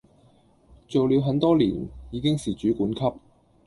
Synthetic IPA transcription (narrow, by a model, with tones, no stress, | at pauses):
t͡so˨wli˨˧wɦɐ˨˥nt̪ɔː˥lḭː˨˩njiː˨˧kɪ˥ŋsiː˨t͡ʃyː˨˥kuː˨˥nkʰɐ˥p̚